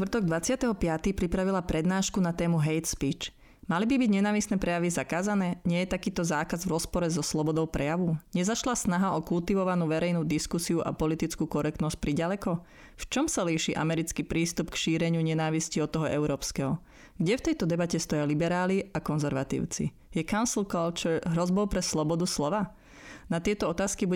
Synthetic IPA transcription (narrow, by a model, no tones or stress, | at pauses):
t̪ʋr̩t̪ɔɡ̚d̪ʋat͡sɪat̪ɛɦɔpɪat̪ipɾipɾaʋilapɾɛd̪naːʃkunat̪ɛːmuɦɛjt̪spiːt͡ʃ | malibibiɟɲɛnaːʋisnɛpɾɛjaʋizakaːzanɛːɲɪɛjɛt̪akiːt̪ɔzaːkazvɾɔspɔɾɛzɔslɔbɔd̪ɔʊpɾʔɛjaʋuɲɛzaʃlasnaɦaɔkult̪iʋɔʋanuːʋɛɾɛjnuːd̪iskusiuʔa̰pɔlit̪it͡skuːkɔɾɛk̚t̪nɔsc̚pɾiɟalɛkɔ | ft͡ʃɔmsaliʃiʔa̰mɛɾit͡skiːpɾiːst̪upkʃiːɾɛɲɪuɲɛnaːʋisciɔt̪ːɔɦɔʔɛʊɾɔːpskɛɦɔ | ɡɟɛft̪ɛjt̪ɔd̪ɛbacɛst̪ɔjalibɛɾaːliakɔnzɛɾʋat̪ḭːʊt͡sḭ | jɛkaʊnslˠkɔlt͡ʃɦɾɔzbɔʊpɾɛslɔbɔd̪uslɔʋa | nat̪ɪɛt̪ɔɔt̪aːskibu